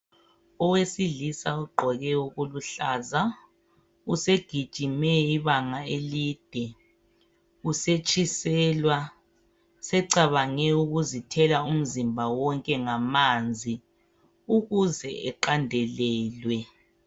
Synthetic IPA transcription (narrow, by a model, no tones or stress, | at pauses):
ɔwesiɮisauɡ͡ǃʱɔɣɛuɣuluɬaza | useɡ̥ʱid̥ʒ̥ʱimɛiβaŋaeliːd̥ʱɛ | uset͡ʃʼisɛlwa | sɛǀaβaŋɛuɣuzitʰɛlaum̩zimbʱawɔŋkʼɛŋamand͡zʱi | uɣuzɛɛǃandʱɛlɛːlwɛ